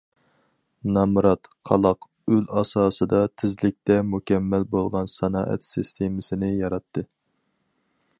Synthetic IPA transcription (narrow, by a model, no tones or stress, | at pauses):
nɑmɾɑt̪qʰɑlˠɑq | ølɑsɑːsɨd̪ɑt̪ʰɪzlɪk̚ʲt̪ɛmukʲʰɛmːɛlbolˠʁɑnsɑnɑ̰ːʔɛ̰t̪sɪst̪ʰemɪsɪnɪjɑɾɑt̪ʰːɨ